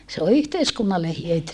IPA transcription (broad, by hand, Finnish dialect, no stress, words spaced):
se o yhteiskunːɑlːe hyøty